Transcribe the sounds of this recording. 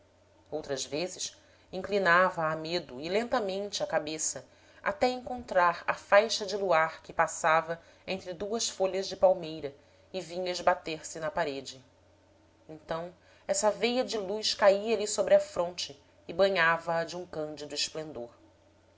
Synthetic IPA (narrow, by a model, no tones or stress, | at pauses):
owt̪ɾɐzvezɪs | ĩŋklinavɐːmed̪ʊɪlẽnt̪ɐmẽnt͡ʃɪɐkabesɐ | a̰t̪ɛẽŋkõnt̪ɾaɾɐ̰fajʃɐd͡ʒɪluaɾkɪpasavɐ | ẽnt̪ɾɪd̪uɐsfoʎɐʒd͡ʒɪpawmejɾɐ | ɪvĩɲɐɪʒbat̪eɾsɪnɐpaɾed͡ʒɪ | ẽnt̪ɐ̃w̃ | ɛsɐvejɐd͡ʒɪlujʃkaiɐlisobɾɪɐfɾõnt͡ʃɪː | bɐ̃ɲavɐːd͡ʒɪũŋkɐ̃nd͡ʒɪd̪ʊɪʃplẽnd̪oɾ